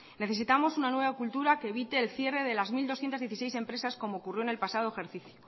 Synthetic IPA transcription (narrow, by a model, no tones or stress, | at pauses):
ne̞θe̞sit̪amo̞sunanwe̞β̞akult̪uɾake̞ːβit̪e̞ːlθje̞re̞ð̞e̞lazmild̪o̞sθjent̪azðje̞θisejse̞mpɾesasko̞mo̞ːkurjo̞enelpasað̞oexeɾθiθjo